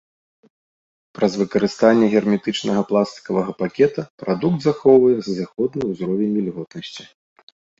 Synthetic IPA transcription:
pɾɐzvɨkɐɾɨst̪anʲːɛɣʲɛrmʲɛt̪ɨt͡ʂnɐɣɐplˠast̪ɨ̥kɐvɐɣɐpakʲɛt̪ɐpɾʔad̪ukd̪zaxɔwvɐjɛzzʲaxɔd̪nɐjuzɾɔvʲɛnʲmʲilʲɣɔt̪nɐsʲt͡sʲi̥

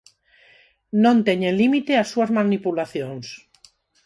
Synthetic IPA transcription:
nõnt̪eɲenlimit̪easuazmãnipulaθjõŋs

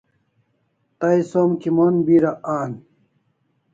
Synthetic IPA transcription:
t̪ɐjsoːmkimoːnbiːɾɐʔaːn

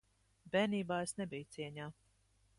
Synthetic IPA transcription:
bɛːniːbaːesnɛbijt̪siɛɲaː

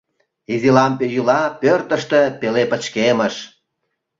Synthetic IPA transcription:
izilɑmpejylɑpørt̪əʃt̪epelepə̆t͡ɕkeməʃ

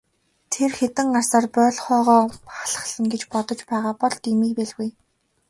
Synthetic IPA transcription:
t̪ʰerxet̪ɘ̆ŋɢarsaːrpœːɮχœːʁɔːχaɮə̥̆χɮə̆ŋɡet͡ɕpɔt̪ɞ̆t͡ɕpæːʁaːpɔɮt̪imiːpæɮɣuj

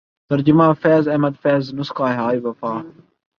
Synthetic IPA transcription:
t̪ɐɾd͡ʒɪmãːfɛːzɐmɐd̪fɛːznʊskaːɦaːiːʋɐfaː

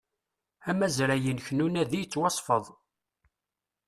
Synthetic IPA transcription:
æmæzɾæjənçənunæðijt͡sːwɑsˤfəðˤ

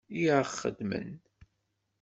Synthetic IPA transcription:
iʕχːə̰d̪mə̰n

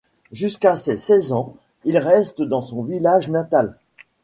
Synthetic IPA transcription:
ʒyskasesɛzɑ̃ | ilʁɛst̪d̪ɑ̃sɔ̃vilaʒnat̪al

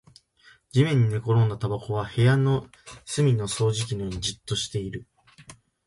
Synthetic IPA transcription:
d͡ʑimẽ̞ɲ̟ːine̞ko̞ɾõ̞nd̪at̪abako̞βahe̞jano̞ | sɨmʲino̞so̞ːʑik̬ʲinojoːɲ̟id͡ʑɨt̪ːo̞ɕi̥t̪e̞iɾɯ̟

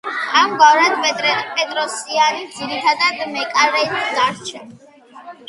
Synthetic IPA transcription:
amɡavɾad̪pʼɛt̪ʼɾɛpʼɛt̪ʼɾɔsianid̪ziɾit̪ʰad̪ad̪mɛkʼaɾɛnd̪aɾt͡ʃʰɛ

